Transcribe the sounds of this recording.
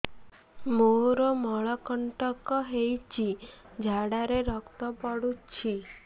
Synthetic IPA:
moɾomɔɭɔkɔɳʈɔkɔɦejt͡ʃʰid͡ʒʱaɽaɾeɾɔkt̪ɔpɔɽut͡ʃʰi

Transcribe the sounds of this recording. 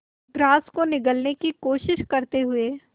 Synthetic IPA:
ɡɾaːskonɪɡəlnekikoːʃɪʃkɐɾt̪eɦʊeː

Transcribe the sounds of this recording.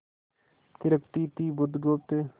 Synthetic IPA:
k̪ɪɾəkt̪iːt̪iːbʊd̪ɡoːp̚t̪e

